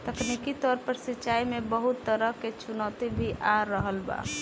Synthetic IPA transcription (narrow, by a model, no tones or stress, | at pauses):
t̪əknikit̪ɔːɾpəɾsɪtːt͡ʃaːimẽbəɦʊt̪ːəɾəɦket͡ʃʊnɔːt̪ibʱiʔaɾːəɦəlba̰ː